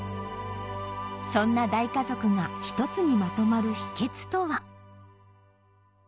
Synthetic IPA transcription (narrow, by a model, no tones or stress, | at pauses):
sõ̞nːad̪aikazo̞kɯ̟ŋaçi̥t̪o̞t͡sɨɲ̟imat̪o̞maɾɯ̟çi̥ke̞t͡sɨ̥t̪o̞βa